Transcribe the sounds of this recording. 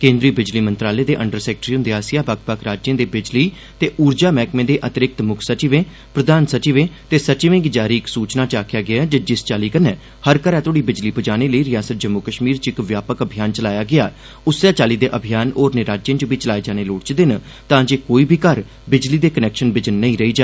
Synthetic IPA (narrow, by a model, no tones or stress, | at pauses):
kẽːnd̪ɾiːbɪd͡ʒliːmənt̪ɾaːleːd̪eːʔəɳɖəɾsɛːkʈɾiːʊ̃nd̪eːaːsɪjaːbəkpəkʰɾaːd͡ʒẽːd̪eːbɪd͡ʒliː | t̪eːʔuːɾd͡ʒaːmɛːkmẽːd̪eːʔət̪ɪɾɪk̚t̪mʊkʰsət͡ʃiːʋẽː | pɾəd̪aːnsət͡ʃiʋẽːt̪eːsət͡ʃɪʋẽŋɡd͡ʒaːɾiːɪksuːt͡ʃnaːt͡ʃaːkʰjaːɡɪad͡ʒəd͡ʒɪst͡ʃaːliːkənɛ̃ː | həɾkəɾɛ̃ːt̪ʰoːɽiːbɪd͡ʒliːpəd͡ʒaːñeːləiːɾɪjaːsət̪̚d͡ʒəmːʊkəʃmiːɾt͡ʃɪkʋjaːpəkəbʱijaːnt͡ʃəlaːjaːɡɪa̰ː | ʊsːaːt͡ʃaːliːd̪eːʔəbʱijaːnoːɾneːɾaːd͡ʒjẽːt͡ʃʊbʱiːt͡ʃəlaːed͡ʒaːñeːloːɽt͡ʃd̪ɪn | t̪ãːd͡ʒeːkoːiːbʱiːkəɾ | bɪd͡ʒliːd̪eːkənɛːkʃənbɪd͡ʒnːəĩːɾəiːd͡ʒaː